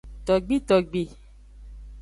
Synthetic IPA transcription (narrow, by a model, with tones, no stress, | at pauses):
t̪ɔ˨ɡ͡bi˦t̪ɔ˨ɡ͡be˨